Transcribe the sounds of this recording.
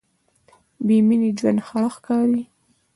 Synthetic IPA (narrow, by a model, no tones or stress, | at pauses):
beminid͡ʒwand̪xɑxkɑɾi